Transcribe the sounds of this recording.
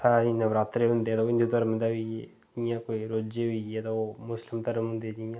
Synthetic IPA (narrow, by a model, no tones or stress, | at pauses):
saːinəʋɾaːt̪ɾeɦʊ̃nd̪eːt̪aɪ̃nd̪ut̪əɾmd̪aʋi | d͡ʒijãːkoːiɾoːd͡ʒeːʋiet̪aoːmʊslɪmt̪əɾəmɦʊ̃nd̪ed͡ʒijãː